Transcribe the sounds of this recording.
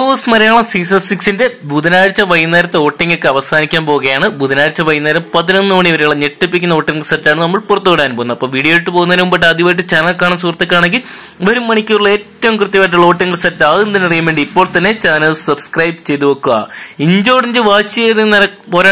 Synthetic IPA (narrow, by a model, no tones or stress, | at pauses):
oːsmɐɾɐjaːɳɐsisɐsiksinde̞buðɐnaːɻt͡ɕːɐʋɐjnɐɾɐt̪ːeoːʈːiŋɡekːɨɐʋɐsaːnikʲːaːnpo̞ːɣɐjaːɳɨbud̪ɐnaːjɻt͡ɕːɐʋɐjnɐːɾɐmpɐðino̞nːɨmɐɳiʋɐɾejuɭːɐneʈːipːikʲːunːɐo̞ːʈːiŋɡrsɐtːaːɳɨnɐmːɐɭpurɐt̪ːuoɐɽaːnuboːunɐpːoːmʋiːɽijoːjiʈːɨpo̞ːɣunːɐɾɐumbɐʈːɨɐðiʋɐːjʈ̬ːɨt͡ɕaːnɐlkaːɳɐmsukrɐt̪ːɨkːaːɳeŋɡil | ʋɐɾumːɐɳikʲːuuɭːɐeːtːɐʋumkrɨt̪jɐpaːʈ̬ːuɭːɐo̞ːʈːiŋɡrsɐtːaːðend̪inɐrijumʋe̞ːɳɖiipːo̞ːɭt̪ɐnːe̞t͡ɕaːnɐlsɐbskrɐjbt͡ɕe̞jt̪uʋɐkːuɐ̰iɲd͡ʑoːɽiɲd͡ʑɨʋaːɕɐerinɐɾɐpoːɾa